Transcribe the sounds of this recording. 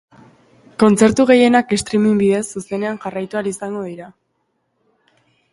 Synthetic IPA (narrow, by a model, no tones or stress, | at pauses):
ko̞nt͡se̞ɾt̪uɣ̞e̞je̞nakest̪ɾimimbiðe̞sːuse̞ne̞anʝarajt̪ualisaŋɡo̞ðiɾa